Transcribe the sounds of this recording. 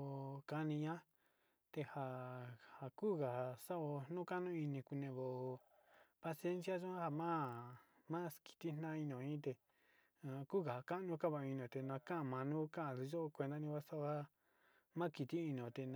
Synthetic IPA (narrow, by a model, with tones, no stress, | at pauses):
ka˧nĩ˧ɲã˦ | t̪e˧ha˧ha˧kuː˦˨ɣa˨a˨sa˦o˧nũ˦ka˦nũ˦i˧nĩ˧ku˧nẽ˧˨βo˨˧pa˧se˦nsja˦ʒõ˦a˦ha˧mã˦ | mã˦ki̥˨t̪i˦n̥ã˦i˧n˧õ˨ĩ˦t̪e˧ | ku˦˨ka˨ha˨ka˦ʔnũ˧˦ka˦˨βã˧i˧nõ˨t̪e˧nã˧kã˦ʔmã˧nũ˦kã˦˧˨ði˧ʒo˦˧kʷe˧nd̪a˦nĩ˧ka˦sa˦ʔo˧ha˦ | mã˦˧ki˧t̪i˦i˧nĩ˨õ˨t̪e˧n